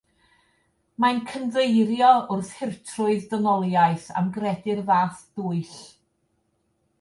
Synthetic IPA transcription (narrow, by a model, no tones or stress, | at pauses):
mankʰənvejɾjɔʔʊrθhɪrtʰrʊɨðdɔnɔlˠjaɨθa̰mɡrɛdɪrvaːθd̥uːɨɬ